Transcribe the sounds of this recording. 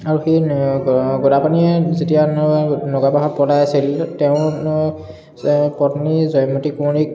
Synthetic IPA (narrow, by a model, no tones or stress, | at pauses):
aɹuxe | ɡɔdapaniɛzetijanɔɡapaɦɔt̚pɔlajasiltɛʊ̃ | pɔtnizɔjmɔtikunik